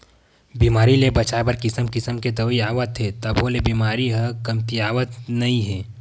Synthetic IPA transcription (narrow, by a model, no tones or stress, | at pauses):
biːmaːɾilebɐt͡ʃaːbəɾkɪsəmkɪsəmked̪əʋiaːʋət̪ɦet̪ɐbʱolebiːmaːɾiɦəkɐmt̪iaːʋət̪nɐĩɦɛː